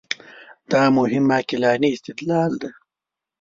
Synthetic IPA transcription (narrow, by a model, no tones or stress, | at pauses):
d̪̥aːmʊɦɪmːaːkilaːniːst̪ɪd̪laːld̪e